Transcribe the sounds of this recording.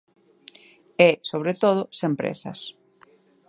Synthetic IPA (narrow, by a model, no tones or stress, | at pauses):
ɛsoβɾet̪oð̞ʊsempɾḛsɐ̰s